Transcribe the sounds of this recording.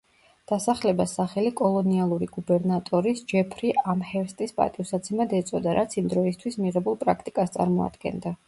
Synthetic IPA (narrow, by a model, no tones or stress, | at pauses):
d̪̥asaχlɛbasaχɛlikʼɔlˠɔnialˠuɾiɡubɛɾnat̪ʼɔɾisd͡ʒɛpʰɾiʔamhɛɾst̪ʼispʼa̰t̪ʼivsat̪sʰɛmad̪ɛt̪sʼɔd̪aɾʔat̪sʰimd̪ɾɔist̪ʰwismiʁɛbulˠpʼɾakʰt̪ʼikʼast̪sʼa̰ɾmɔ̰a̰d̪̥ɡɛ̰nd̪a